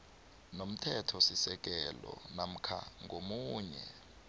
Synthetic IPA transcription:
nom̩tʰɛtʰɔsisɛk̬ɛlɔ̰nam̩kʰa̰ŋomuːɲɛ

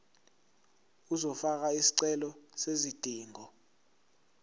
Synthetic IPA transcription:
uzɔfak̬aisi̥ǀɛlɔsezid̥ʱiːŋɔ

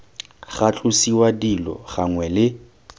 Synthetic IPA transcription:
ɣat͡ɬʼʊsiwadilɔ̰ɣaŋwɛlɪ

